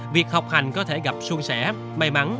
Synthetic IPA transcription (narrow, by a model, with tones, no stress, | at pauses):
vi˨˩ək̚ha˨˩wk͡p̚ha˨˩jŋ̟kɔ˨˦t̪ʰe˧˩ɣa˨˩p̚su˧əŋsɛ˧˩˥ | ma˧jma˨˦n